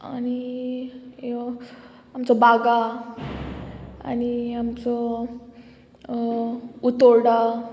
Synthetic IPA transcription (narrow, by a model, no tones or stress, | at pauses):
a̰ni | amt͡sɔbaɡa | a̰niamt͡sɔ | ut̪ɔɾɽa